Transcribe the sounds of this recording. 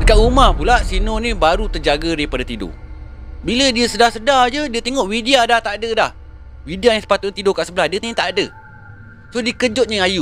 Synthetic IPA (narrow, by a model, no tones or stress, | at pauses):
dəkaʔumahpulasinonibaɾut̪ərd͡ʒaɡəɾipadat̪ido̰bilədiəsədahsədad͡ʒədiət̪eŋɔʔwidiadaht̪aʔadədah | widiajaŋsə̥pat̪ʊʔt̪idokaʔsəbəlahdiət̪eŋt̪aʔadə | sodikəd͡ʒʊt̪̚ɲəaju